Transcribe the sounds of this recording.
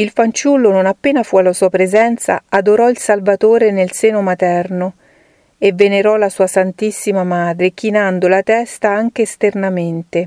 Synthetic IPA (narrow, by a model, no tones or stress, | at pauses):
ilfant͡ʃulːononapːeːnafualːasuːapɾezɛnt̪sa̰ad̪oɾɔilsalvat̪oːɾenelsɛːnomat̪ɛrno | evːeneɾɔlasuːasant̪isːimamaːd̪ɾek̟inand̪olat̪ɛst̪aaŋk̟eːst̪ernament̪e